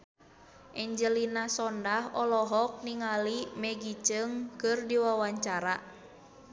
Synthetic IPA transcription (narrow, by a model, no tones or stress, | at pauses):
ʔɛɲd͡ʒəlinasɔndahɔlɔɦɔk̚niŋalimɛɡit͡ʃɨŋkɨrdiwawaɲt͡ʃaɾa